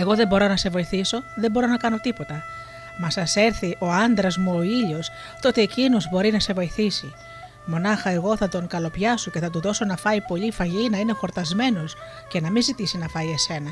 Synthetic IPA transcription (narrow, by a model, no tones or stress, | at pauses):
e̞ɣo̞ðe̞mbo̞ɾo̞nɐse̞vo̞iθiso̞ðe̞bo̞ɾo̞nɐkɐno̞t̪ipo̞t̪ɐ | mɐsɐse̞ɾθiʔo̞ɐnd̪ɾɐzmuoiʎo̞s | t̪o̞t̪iːcinozbo̞ɾinɐse̞vo̞iθisi | mo̞nɐxɐe̞ɣo̞θɐt̪o̞ŋkɐlo̞pʝɐso̞ce̞θɐt̪uðo̞so̞nɐfɐipo̞ʎifɐʝinɐine̞xo̞ɾt̪ɐzme̞no̞s | ce̞nɐmizit̪isinɐfɐie̞se̞nɐ